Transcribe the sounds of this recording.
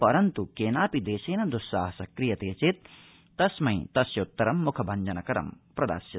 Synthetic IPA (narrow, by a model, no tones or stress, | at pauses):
pɐɾɐnt̪ukeːnaːpid̪eːʃeːnɐd̪usːa̰ːɦɐsɐkɾijɐt̪eːt͡ʃeːt̪̚ː | ɐsmɐjt̪ɐsjɐut̪ːɐɾɐmːukʰɐbʱɐɲd͡ʒɐnɐkɐɾɐ̰mpɾɐd̪a̰ːsjɐ